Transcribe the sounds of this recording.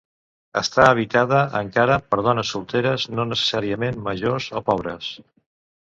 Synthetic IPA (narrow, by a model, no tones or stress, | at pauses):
əst̪aəβ̞it̪aðəʔəŋkaɾəpəɾð̞ɔnəsːulˠt̪eɾəznonəsə̥saɾiəmemməʒozopɔβ̞ɾəs